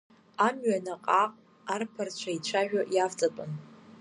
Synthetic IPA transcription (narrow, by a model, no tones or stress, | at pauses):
amɥanaqʼaqʼ | arpʰart͡ɕʷʰait͡ɕʷʰaʒᶣaʔjaft͡sʼapʼɨn